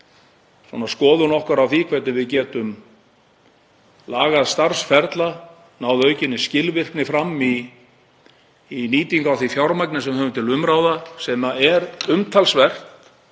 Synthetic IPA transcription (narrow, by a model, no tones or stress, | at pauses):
swɔ̰naskɔːðʏnɔhkaɾawθikʰɛt̪nɪvɪðcɛːt̪ʏm | laːɣaðst̪aɾ̥sfɛɾt̪la | naːwðœːɥcɪnːɪscɪlvɪr̥knɪfɾamːi | niːt̪iŋkawθifjawɾmajknɪsɛmhœːvʏmnt̪ʰɪlʏmɾawðasɛmaɛɾʏmt̪ʰalsvɛr̥t̪